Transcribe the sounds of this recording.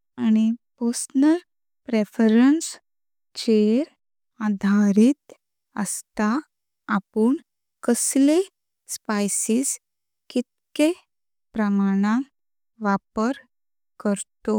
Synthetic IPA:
añiposnəɾ | pɾefəɾəns | t͡ɕeɾ | ad̪ʱaɾit̪ | ə̰st̪aː | puɳ | kəsle | spajsiːs | kit̪̚ke | pɾəmaɽ̃ã | ʋapəɾ | kəɾt̪o

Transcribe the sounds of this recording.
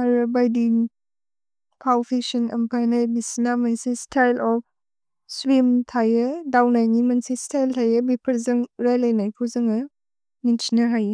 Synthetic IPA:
aɾɯbajdiŋ | pʰawpʰeksɔnɐ̰mpʰajnajbisinamansistʰajlɔp̚ | swimtʰajɯdawnajnimansistʰajltʰajɯbipʰɐɾzɯŋɾajlajnajpʰuzɯŋɯ | nint͡ʃinaɦaje

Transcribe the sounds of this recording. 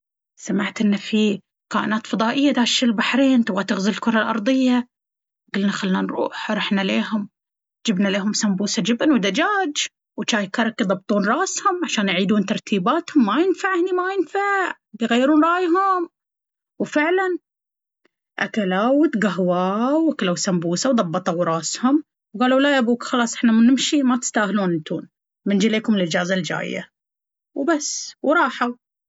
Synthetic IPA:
samaʕt̪ʔɪnːafi | kaːʔɪnaːt̪fɑðˤɑːʔɪjːad̪aːʃɪlbaħɾeːnt̪ʊbɣat̪ɪɣzɪlɪlkʊɾˤɑlʔɑ̰ɾˤd̪ˤɪjːa | ɡʊlnaxalːnanɾˤṵːħɾˤɑħnaleːɦʊm | d͡ʒɪbnaleːɦʊmsambuːsad͡ʒɪbanwɪd̪ad͡ʒaːd͡ʒ | wt͡ʃaːjkɑɾˤɑkjðˤɑb̚t̪ˤuːnɾˤɑːshʊmʕaʃaːnjʕiːd̪uːnt̪ɑɾˤt̪ʰiːbaːt̪hʊmːajɪnfaʕhnimajɪnfaʕ | bjɣajːɾuːnɾˤɑːjɦʊm | wfɪʕlan | ʔakalawt̪ɡaɦwaːwakalawsambuːsawðˤɑbːɑt̪ˤɑwɾˤɑːshʊm | wɡaːluwlajabuːkxɑlɑːsˤʔɪħnamanɪmʃimat̪ɪ̥st̪aːhluːnnt̪uːn | mɪnd͡ʒileːkʊmɪlʔɪd͡ʒaːzald͡ʒa̰ːjːa̰ | wbasːwɾˤɑːħaw

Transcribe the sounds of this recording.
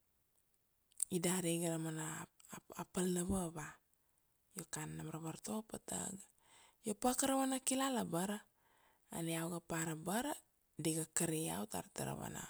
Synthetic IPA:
idahɾiɡaɾamanaapəlnaβaβa | jokanːamaɾaβaɾt̪opat̪a̰ɡ | jopakəɾawanakilalabaɾa̰ː | niawɡapaɾabaɾa | diɡakəɾia̰wt̪a̰ɾt̪aɾa̰βa̰na̰

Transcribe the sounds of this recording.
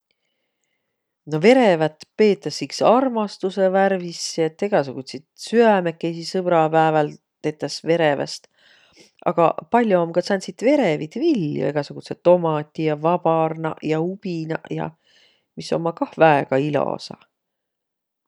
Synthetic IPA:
no̞ve̞ɾe̞væt̪pe̞ːt̪ːˑɑsːiksɑrmɑst̪useværvisːiet̪ːˑe̞ɡ̥ɑsuɡ̥ut̪ʲsit̪syæme̞kːˑejsisɤb̥ɾɑpæevɑl | t̪e̞ːt̪ːɑsve̞ɾe̞vɑ̰st̪ | ʔɑ̰ɡ̥ɑ̰pɑlʲjoomkɑsɑnsit̪ve̞ɾe̞vit̪vilːjṵe̞ɡ̥ɑsuɡ̥uset̪ːo̞mɑt̪ʲːˑijɑvɑb̥ɑrnɑ̰jɑub̥inɑ̰jɑ̰ | misːo̞̰mːɑkɑhvæeɡ̥ɑilo̰sɑ̰

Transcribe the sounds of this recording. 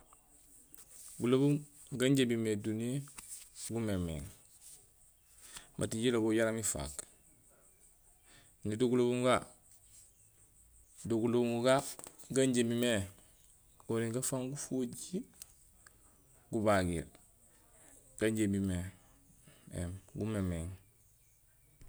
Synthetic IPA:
ɡulobum | ɡaɲɟebimedunie | ɡumemḛŋ | mʔa̰tiɲɟiloboɟaɾamifa̰k | niduɡulobuŋɡa | duɡulobuŋuɡaɡaɲɟemime | ɡoniŋɡafaŋɡufuɟi | ɡubaɡḭl | ɡ̥aɲɟemime | ḛmɡumemeŋ

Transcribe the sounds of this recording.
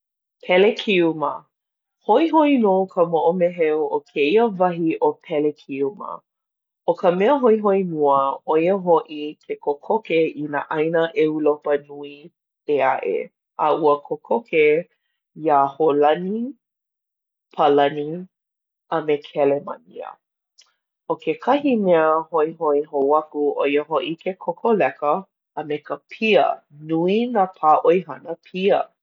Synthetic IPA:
pʰɛlekʰiumə | hoiɦoinokʰəmoʔomeɦɛwʔokʰeiəvɐɦiʔopʰɛlekʰiumə̰ | ʔokʰəmɛəɦoiɦoinuəojəɦoʔikʰekʰokʰokeinaʔɐjnəʔeulopənui | eaʔḛ | ʔəuəkʰokʰokʰe | iaholɐni | pʰɐlɐni | əmekʰɛlemɐ̰nḭə̰ | ʔokekʰɐhimeəhoiɦoiɦowɐkuʔojəɦoʔikʰekʰokʰolɛkəː | mekəpʰiə̰nuinapʰaːʔojɦɐnəpʰiə̰

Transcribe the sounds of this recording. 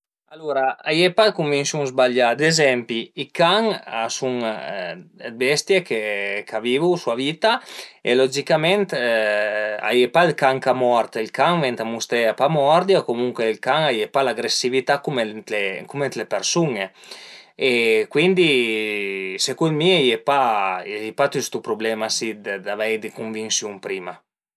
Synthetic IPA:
aluɾaajepalkuŋvinsuŋzbaʎːad̪ezɛmpiikaŋasuŋ | ebɛst̪jekekavivusuavit̪aelɔd͡ʒikamɛnt̪ | a̰jepalkaŋkamɔɾt̪ilkaŋvɛnt̪amust̪ɾeapamɔɾd̪jiokomuŋkelkaŋajepalaɡɾesivit̪akumelekumet̪lepeɾsuŋe | ekwind̪i | sekumiajepajepat̪yst̪upɾublɛmasid̪d̪avɛjd̪ekuɱvinsjuŋpɾima

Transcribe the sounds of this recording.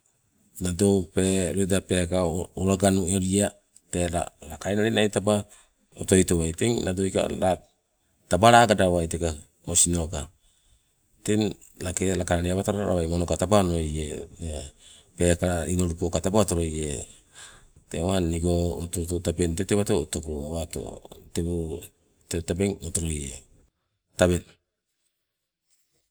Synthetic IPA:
nadowpe̞ɾojdape̞kauɾaɡanueɾia | teɾa̰lakajnaɾinajtaba | oto̞jtowajteŋnadojka̰la | tabaɾaɡadawajteka | osino̞ka | ten | lake̞lakaɾaɾiaβataɾaɾa̰βajmonokatapanojee | pekaɾainoɾupokatapaatoɾoje | tewaniɡootototapenteteβatotokuɾoawato̰tebo | tetabeŋotoɾoje | tabe̞n

